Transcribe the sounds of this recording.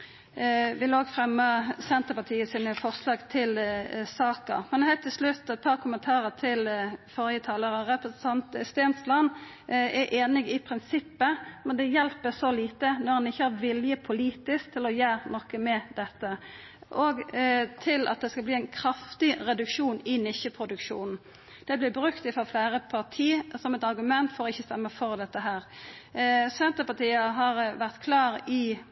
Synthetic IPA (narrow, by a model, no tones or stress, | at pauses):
ʋɪloːɡfʁɛmːəsɛnt̪əʁpɑt̪ʰiːəsiːnəfɔʁslɑːɡt̪ʰɪlsɑːkə̰ʁmɛnhæɪt̪ʰːɪlslʉt̪ːɛt̪̚pʰɑːʁkʰʊmənt̪ʰɑːʁət̪ʰɪlfɔːʁjət̪ʰɑːləɾəʁɛpɾəsn̩t̪ʰɑnt̪əst̪eːnt̪slɑnː | ɛʔeːnɪɡɪpʰʁɪnsɪpːəmɛnd̪ɛjɛlpəsɔliːt̪ənɔʁhɑnɪçːəhɑʋɪljəpʰʊliːt̪ɪsk̚t̪ʰɪlɔjæːʁnɔkːəmɛd̪ɛt̪ːə | ʔɔɡt̪ʰɪlʔɑ̰t̪̚d̪ɛskɑlbliːæɪnkʰɾɑft̪ɪɾɛd̪ʉkʂuːnɪnɪʃəpʰɾʊd̪ʉkʃṵːnn̩ | d̪̥ɛblɪbɾʉkt̪ɪfɔflæːɾəpʰɑʁt̪ʰiːsɔmɛt̪ɑɾɡʉmɛnt̪fɔɾɔɪçːəst̪ɛmːəfɔɾd̪ɛt̪ːəɦæːɾ | sɛnt̪əpɑt̪iːəɦɑɾʋæʁt̪kʰlɑːɾɪ